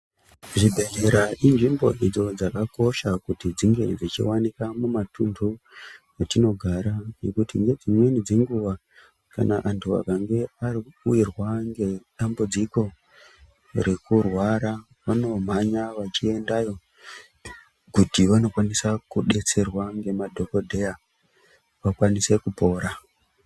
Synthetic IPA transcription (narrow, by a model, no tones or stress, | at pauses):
ʐibʱe̞ɲeɾaʔinʐimbo̞̰ʔid͡zo̞d͡zakako̞ʃakutid͡ziŋɡe̞̰d͡zit͡ʃḭwanikamumatundʱu | jatino̞ɡʱaɾane̞kutiŋɡe̞d͡zimwe̞nid͡ze̞ŋɡuʋa | ka̰na̰ʔantʰua̰kaŋɡe̞ariuirwaŋɡe̞ɗambud͡ziko̞ | ɾe̞kurwaɾa | ʋano̞m̤aɲaʋat͡ʃie̞ndajo̞ | ɡʱutiʋano̞kwanisakuɗe̞t͡se̞rwaŋɡe̞madʱo̞ko̞dʱe̞ja | ʋakwanise̞kupo̞ːɾa